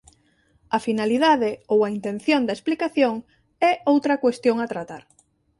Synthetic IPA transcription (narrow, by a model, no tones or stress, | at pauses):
ɐfinaliðaðɪowaint̪ẽn̟θjond̪ɐesplikaθjoŋ | ɛowt̪ɾɐkwest̪joŋat̪ɾat̪aɾ